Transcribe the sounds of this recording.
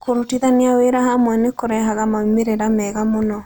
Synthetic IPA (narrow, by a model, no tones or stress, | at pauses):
koɾutiðaniaweɾahamwɛnekoɾɛɦaɣamaimeɾeɾamɛːɣamonɔ